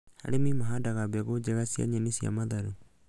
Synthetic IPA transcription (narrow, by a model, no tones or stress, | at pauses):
ha̰ɾemimaɦadaɣabɛɣod͡ʒeɣasia̰ɲanisia̰maðaɾu